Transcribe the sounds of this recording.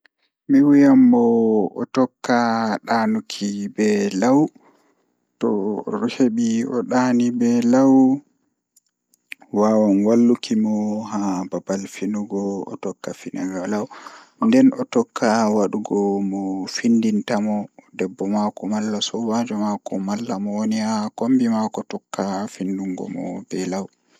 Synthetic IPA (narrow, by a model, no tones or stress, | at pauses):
miwijambɔ̰ːtɔkːaɗanukʰibɛlaw | tɔɾuheɓiɔ̰ɗaːnibɛlaw | wawɔnwalːukimɔɦababalfinuɡɔɔ̰tɔkːafinʔaɡalaw | ndɛnɔtɔkʰːawaɗuɡɔmɔfindintamɔdɛbːɔmakɔmalːasɔwad͡ʒɔmakɔmalːamɔwonihakombimakɔtɔkːafinduŋɡɔ̰mɔ̰bɛlaw